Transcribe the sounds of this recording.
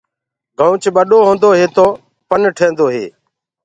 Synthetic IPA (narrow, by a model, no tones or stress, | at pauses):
ɡʱəuːt͡ʃɓəɗoːɦõːnd̪oːɦeːt̪oː | pənʈʰẽːnd̪oːɦḛː